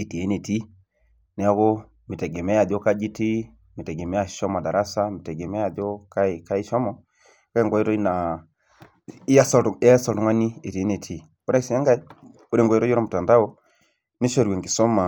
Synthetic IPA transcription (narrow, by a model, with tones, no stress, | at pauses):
e˨ti˨e˦ne˨ti˦ | nɛ˨a˦ko˦ | mi˨tɛ˨ɡe˨mɛ˦a˨dɔ˦ka˦d͡ʒi˦ti˦ | mi˨tɛ˨ɡɛ˨mɛ˦a˨ʃɔ˦ma˨da˨ɾa˦sa˦mi˨tɛ˨ɡɛ˨mɛ˦a˨do˦ka˦˨ka˦i˦ʃɔ˦mɔ˨ | ka˦ɛ˦ŋɡo˨i˦ɾɔ˦i˦na˨ | i˦ja˦ssɔ˨tŋwa˦ni˦e˨ti˨e˦ne˨tʰi˦˨ | ku˦ɾe˦˨si˨˦a˦ŋɡa˦i˦ | u˦ɾe˦˨ŋɡɔ˨jɾɔ˦o˦ɾɔ˦mu˨ta˨nda˦o˦ | ni˦ʃo˦˨ɾwe˨ŋɡi˨sɔ˦ma˨